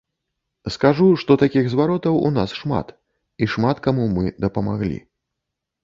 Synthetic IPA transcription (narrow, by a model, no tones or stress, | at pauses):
skaʐuʂt̪ɔt̪akʲiɣzvaɾɔt̪ɐwṵnasʂma̰t̪ | iʂmat̪kamumɨd̪ɐpɐmaɣlʲḭ